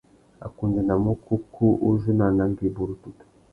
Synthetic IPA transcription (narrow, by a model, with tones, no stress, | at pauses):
a̰˨ku˨ndi˨na˨mu˦kʰu˦kʰu˦ʔu˦ʒu˦na˨na˨˦ŋɡi˨bu˨ɾu˨tu˨tḁ˨